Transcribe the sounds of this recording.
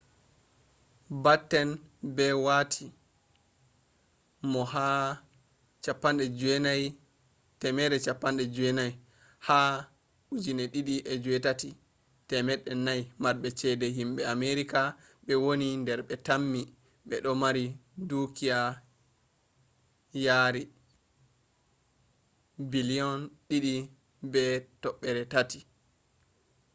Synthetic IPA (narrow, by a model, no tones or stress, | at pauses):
batːɛnbɛwatʰi | mɔha | t͡ʃapːanɗɛd͡ʒɛnaj | tɛmɛɗɛt͡ʃapːanɗɛd͡ʒuɛnaj | ha | ud͡ʒinɛɗiɗiʔɛd͡ʒuɛtati | tɛmɛɗɛnːajmaɾɓɛt͡ʃɛdɛɦimɓɛameɾika | ɓɛwonindɛɾɓɛtamːi | ɓɛɗɔmaɾidukia | jaɾi | biliɔnɗiɗi | bɛtɔɓːɛɾɛtati̥